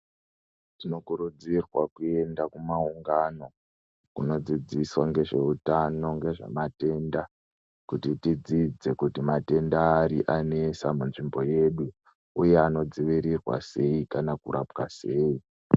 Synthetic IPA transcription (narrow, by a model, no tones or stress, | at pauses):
tino̞kuɾud͡zirwakue̞ndakumauŋɡano̞ | kuno̞d͡zid͡ziswaŋɡe̞ʐe̞utano̞ŋɡe̞ʐa̰mate̞ːnda | kutitid͡zid͡ze̞kutimate̞ndaːɾḭʔanesamunʐimbo̞je̞ɗu | ujeano̞d͡ziʋiɾirwa̰se̞ikanakṵɾʔapka̰se̞ːi